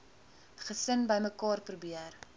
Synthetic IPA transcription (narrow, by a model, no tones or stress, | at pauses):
χəsənbəjməkɑːrprubiər